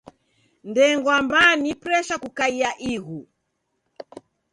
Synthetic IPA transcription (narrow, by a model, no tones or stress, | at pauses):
ndɛŋɡwambanipɾɛʃakukaiaʔiɣu